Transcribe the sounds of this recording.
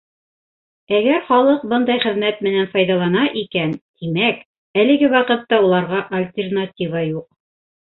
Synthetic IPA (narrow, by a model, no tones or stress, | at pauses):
æɡæɾχɑlˠɤq̚bɤnd̪ɑjχɘ̆ðmæt̪mɘ̆nænfɑjðɑlˠɑnɑʔikænt̪imæk | ælɘ̆ɡɘwɑqɤ̆t̪ːɑulˠɑɾʁɑʔɐlʲt̪ʲernatʲivɑjuq̚